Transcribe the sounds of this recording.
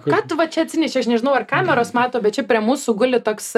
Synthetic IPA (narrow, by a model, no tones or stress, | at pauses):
kɐt̪ʋɐt͡ʃʲɛɐt̪ʲsʲɪnʲɛʃʲɪɐʃnʲɛʒʲɪnɐʊɐrkɑːmʲɛɾoːsmɑːt̪oːbʲɛt̪t͡ʃʲɛpʲɾʲiɛmuːsʊɡʊlʲɪt̪oːks